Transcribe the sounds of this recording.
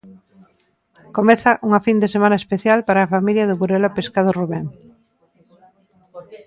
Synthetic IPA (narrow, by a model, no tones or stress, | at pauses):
komeθɐʔuŋɐfind̪esemanɐespeθjalpaɾaːfamiljɐðʊβuɾelapeskaðoruβɛŋ